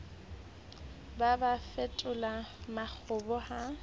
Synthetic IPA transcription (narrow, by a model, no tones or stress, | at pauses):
babafɛtʼʊlamak͡xʰʊbɔha